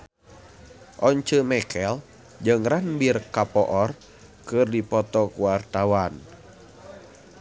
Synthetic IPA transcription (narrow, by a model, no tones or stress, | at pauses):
ʔɔɲt͡ʃəmɛkʰɛl | d͡ʒɨŋranbirkapɔʔɔr | kɨrdipɔt̪ɔkuwart̪awan